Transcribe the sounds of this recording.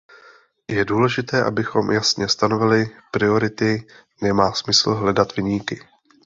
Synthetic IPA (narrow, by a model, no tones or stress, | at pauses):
jɛduːlɛʒɪt̪ɛːʔa̰bɪxo̞mjasɲɛst̪ano̞vɪlɪpɾɪo̞ɾɪt̪ɪ | nɛmaːsmɪsl̩ɦlɛdat̪vɪɲiːkɪ